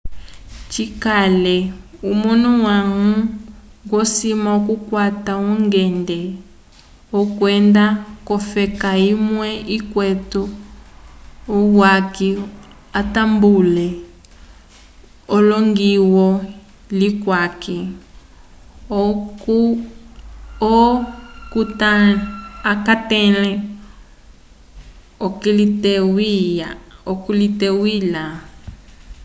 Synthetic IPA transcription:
t͡ʃikalɛumunuwaŋuɡwɔsimakukwatauŋɡɛndɛ | okwɛndakɔfɛkaimwɛikwɛtɔ | owaki | atambulɛ | oloŋɡiwɔ | likwaki | okutaakatelɛ̃ | okilitewiaokulitewila

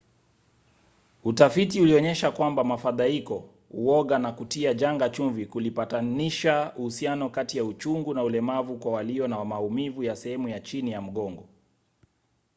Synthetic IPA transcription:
utafitiuliɔɲɛʃakwambamafaðaikɔ | ṵɔɠanakutiaʄaŋɡat͡ʃuɱvikulipataniʃauhusianɔkatijaut͡ʃuŋɡunaulɛmavukwawaliɔnawamaumivujasɛhɛmujat͡ʃinijam̩ɠɔŋɡɔ

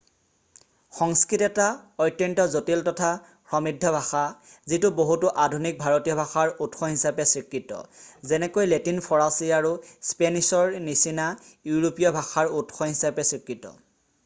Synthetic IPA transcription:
xɔŋskɹitɛtaɔjtːɛntɔzotiltɔtʰa | pʰɹɔmidʱːɔbʱaxazitʊboɦutʊʔadʱunik̚bʱaɹotijɔbʱaxaɹutxɔɦisapɛsɹikːitɔ̰zɛnɛkojletinpʰɔɹasiaɹuspenisɔɹnisinajuɹopijɔbʱaxaɹutxɔɦisapɛsikɹitɔ̰

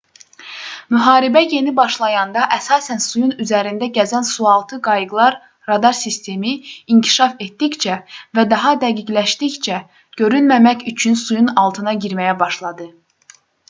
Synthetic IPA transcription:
myɦɑːɾibæje̞nibɑʃlˠɑjɑnd̪ɑʔæsɑːsænsujunyzæɾind̪æɟæzænsuɑlˠt̪ʰɯɡɑjɯɡlˠɑɾ | ɾɑd̪ɑɾsist̪ʰe̞miiɲcʰi̥ʃɑfe̞t̪d̪içt͡ʃʰævæd̪ɑɦɑd̪æɡiɟlæʃt̪içt͡ʃʰæ | ɟ̥ø̞ɾynmæmæcyt͡ʃʰynsujunɑlˠt̪ʰɯnɑɟiɾmæjæbɑʃlˠɑd̪ɯ

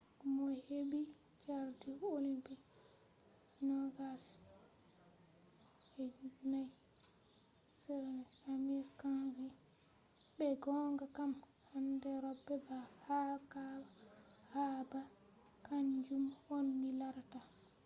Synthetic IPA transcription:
mɔheɓi | t͡ʃaɾtiolimpi | nɔɡas | hed͡ʒnaj | sɛ | amiɾkaŋɡi | bɛɡɔŋɡakam | handɛɾɔbːɛbahakabahaba | kaɲd͡ʒumwɔnmilaɾta

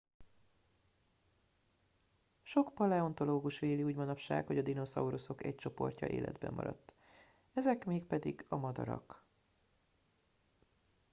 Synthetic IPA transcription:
ʃo̞kpɒlɛo̞nt̪o̞loːɡuʃʋeːliuːɟmɒnɒpʃa̰ːkho̞ɟɒd̪ino̞sɒuɾoso̞kɛc̚t͡ʃo̞po̞rcɒ̰ʔḛːlʔɛ̰d̪bɛmːɒ̰ɾɒ̰t̪ː | ɛzɛkmeːkpɛd̪iɡɒmɒd̪ɒ̰ɾɒ̰k

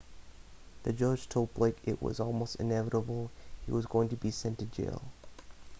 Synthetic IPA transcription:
ðɨd͡ʒʌ̥ʒ̥tʰoʊb̥laɪkɪʔwʌ̰zɔlˠmoʊstɨ̰̃nɛvəɾəbl̩ˠhḭwʌzɡoʊɪ̃ŋtɨbisɛ̃ntɨd͡ʒḛɪlˠ

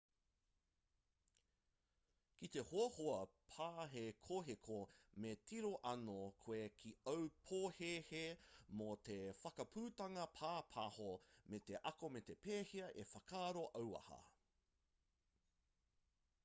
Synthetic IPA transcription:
kit̪e̞hoɐhoɐpʰaːɦekʰoɦekʰometʰiɾoʔɐnokʰoekʰiɐwpʰohehemot̪efɐkɐpʰuːt̪ɐŋɐpʰaːpʰahomet̪eʔɐkomet̪e̞peːhiɐʔefɐkʰaːɾoʔɐwɐ̰hɐ̰

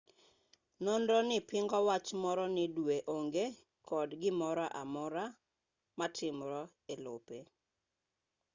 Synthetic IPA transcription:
nondɔnɪpɪŋɡɔwat͡ʃmɔɾɔnɪdweʔoŋɡe | kʰɔdɡɪmɔɾɔʔa̰mɔɾa | matʰɪmɾɔ | elo̰pe

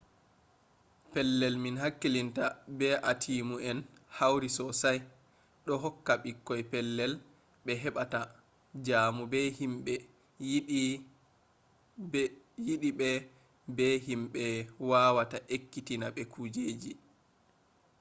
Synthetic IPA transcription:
pɛlːɛlminhakːilintabɛʔatʰiːmuɛnhawɾisɔsaj | ɗɔɦɔkːaɓikːɔjpɛlːɛl | ɓɛɦɛɓata | d͡ʒaːmubɛhimɓɛ | jiɗiɓɛ | bɛhimɓɛwawataʔekːitinaɓɛkʰud͡ʒeːd͡ʒi

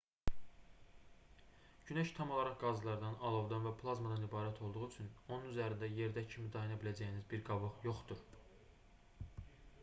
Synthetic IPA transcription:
ɟynæʃt̪ʰɑmo̞lˠɑɾɑχɡɑzlˠɑɾd̪ɑnɑlˠo̞vd̪ɑnvæpʰlˠɑzmɑd̪ɑnibɑːɾæt̪ʰo̞lˠd̪uʁuyt͡ʃʰyno̞nunyzæɾind̪æje̞ɾd̪æcʰimid̪ɑjinɑbilæd͡ʒæjinizbiɾɡɑvɯʁjo̞χd̪uɾ

